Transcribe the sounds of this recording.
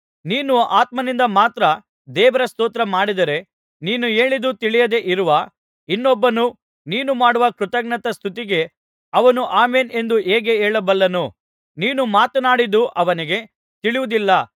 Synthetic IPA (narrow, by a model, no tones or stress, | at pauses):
niːnuaːt̪mɐnind̪ɐmaːt̪ɾɐ | d̪ɛːʋɐɾɐst̪oːt̪ɾɐmaːɽid̪ɐɾe̞ | niːnue̞ːɭid̪ut̪iɭijɐd̪e̞ʔiɾuʋɐ | inːɔbːɐnu | niːnumaːɽuʋɐkɾut̪ɐɡɳɐt̪ɐst̪ʰut̪̬iɡe̞ | ɐʋɐnuʔaːmeːne̞nd̪ueːɡe̞eːɭɐbɐlːɐnu | niːnumaːt̪ɐnaːɽid̪uʔɐʋɐniɡe̞ | t̪iɭiʋud̪ilːɐ